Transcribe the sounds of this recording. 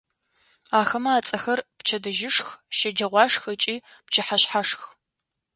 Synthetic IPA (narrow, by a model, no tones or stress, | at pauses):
aːxɐmɐaːt͡sʼɐxɐrpt͡ʃʰɐdɐʒɪʂxʃɐd͡ʒɐʁʷɑːʂxɐt͡ʃʼiː | pt͡ʃʰɪħaɕħaʂx